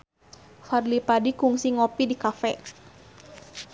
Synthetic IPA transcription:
farlipadikuŋsiŋɔpidikafɛ

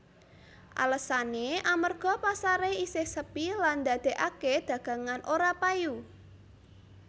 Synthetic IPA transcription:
ʔa̰ləsaneʔamərɡ̥ɔ̤pasaɾeisɪhsəpiland̪a̤d̪̥e̤ʔaked̪̥ä̤ɡ̥ä̤ŋanʔoɾapaju

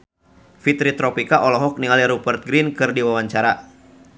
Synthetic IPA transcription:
fit̪ɾit̪ɾɔpikaʔɔlɔɦɔk̚niŋaliɾubɛrt̪̚ɡɾinkɨrdiwawaɲt͡ʃaɾa

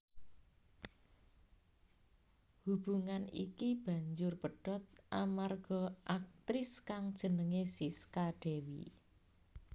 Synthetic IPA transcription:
hub̥uŋanḭkib̥a̤ɲd͡ʒʊrbəɖ̥ɔt̪̚ʔamarɡ̥ɔ̤ʔak̚t̪ɾɪskaŋd̥ʒ̥ə̤nəŋesiskaɖ̥ewḭ

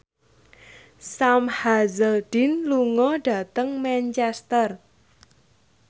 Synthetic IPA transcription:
samhazəlɖ̥i̤nluŋɔɖ̥ä̤t̪əŋmɛnt͡ʃɛst̪ər

